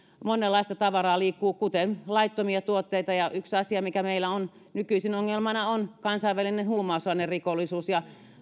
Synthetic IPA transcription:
monelːɑist̪ɑt̪ɑʋɑrɑːliːkːuːkut̪enlɑit̪ːomiɑt̪uot̪ːeit̪ɑjɑyksɑsiɑmikæmeilːˑæon | nykyisinoŋːelmɑnɑonkɑnsɑiʋælinenhuːmɑˑusɑnerrikolːisuːsjɑ

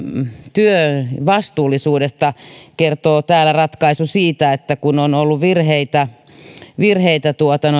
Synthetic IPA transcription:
t̪yøʋɑst̪uːlːˑisuːdest̪ɑkert̪oːt̪æːlærɑt̪kɑisusiːt̪æet̪ːækunonolːuʋʋirheit̪æ | ʋirheit̪æt̪uot̪ɑn

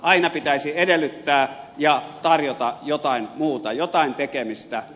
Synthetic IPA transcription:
ɑinɑpit̪æˑisiedelːˑyt̪ːæː | jɑt̪ɑrjot̪ɑjot̪ɑˑinmuːt̪ɑjot̪ɑˑint̪ekemist̪æ

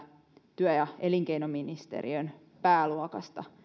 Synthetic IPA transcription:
t̪yœjɑeliŋkeinominist̪ḛrḭøn | pæːluɑkɑ̰st̪ɑ̰

